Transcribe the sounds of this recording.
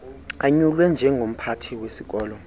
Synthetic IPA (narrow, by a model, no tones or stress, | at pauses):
aɲulwɛnd͡ʒʱɛŋɡom̩pʰatʰiwesik̬ɔːlɔ